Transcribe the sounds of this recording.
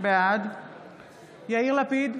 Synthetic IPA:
bead̪ | jailapid̪

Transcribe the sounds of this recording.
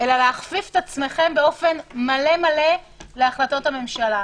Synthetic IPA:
ʔe̞laleaχfifetat͡sme̞χe̞mbe̞o̞fe̞nmale̞male | le̞aχlato̞tame̞mʃala

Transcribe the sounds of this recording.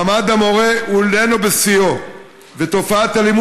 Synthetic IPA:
mad̪amo̞ʁeulenobesio | vet̪o̞faat̪alimu

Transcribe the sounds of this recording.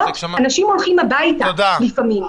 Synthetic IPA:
anaʃimo̞lχimabajtalifamim

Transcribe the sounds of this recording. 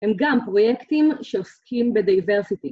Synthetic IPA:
hemɡampʁo̞jekt̪imʃeoskʰimbed̪ajve̞ʁsit̪i

